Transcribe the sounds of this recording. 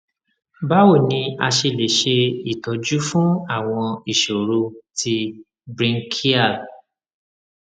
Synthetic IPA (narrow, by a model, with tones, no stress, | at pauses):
ba˦wo˦˨nĩ˧a̰˧ʃe˧le˨ʃe˧i˨tɔ˨d͡ʒu˦fũ˦a˦˨w̃ɔ̃˧i˦˨ʃo˨ɾo˧ti˧ | bɾi˧ŋ̩˦kʰi˦a˦˨